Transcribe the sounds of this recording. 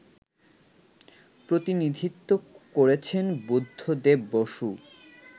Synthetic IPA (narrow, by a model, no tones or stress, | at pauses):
pɾot̪inid̪ʱit̪ːokoɾet͡ɕʰenbud̪ʱːod̪ebboʃu